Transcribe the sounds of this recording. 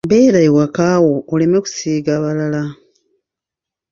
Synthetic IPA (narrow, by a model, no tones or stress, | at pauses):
beːɾaiwakaːwoːleme̞ku̥siːɡaβalala